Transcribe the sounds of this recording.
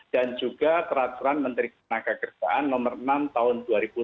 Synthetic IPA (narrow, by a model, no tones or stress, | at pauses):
d̥and͡ʒuɡat̪əɾat̪uɾanmənt̪ɾikənaɡakərd͡ʒa̰ʔanmɔmərnamt̪aɦʊnduaɾibu